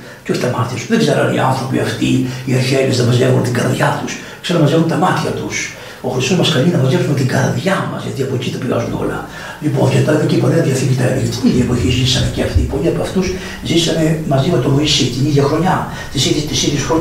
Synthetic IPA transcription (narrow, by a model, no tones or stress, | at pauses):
ceoçi̥t̪ɐmɐɾt̪ɐsuðeɡzeɾɐ̰nḭɐ̰nθɾo̞pḭɐft̪iieçelisðɐmɐzʝevunt̪iɡɐ̰ɾðʝɐt̪us | kseɾɐmɐzevunt̪ɐmɐt̪çɐt̪us | o̞xɾist̪o̞zmɐsxɐlinɐpɐzʝepsumet̪iɡɐɾðʝɐmɐ̰zʝɐ̰t̪iɐpo̞cit̪ɐpiɐ̰zuno̞̰lɐ̰ | lipo̞ncet̪ɐðocepoleɐtiɐθicit̪ɐelecet̪iniðʝɐepoçizisɐme̞ceɐft̪ipoliɐpɐft̪us | zisɐme̞mɐzimet̪omoisit̪iniðʝɐxɾo̞ɲɐ | t̪isiðt̪isiðjesxɾo